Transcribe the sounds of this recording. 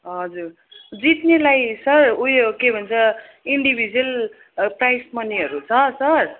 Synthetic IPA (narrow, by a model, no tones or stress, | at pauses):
ɦʌd͡zur | d͡zit̪nelajsʌrujokebʱʌnt͡sʰʌ | iɳɖibʱid͡zʌl | prajsmʌneɦʌɾut͡sʰʌ̃sʌr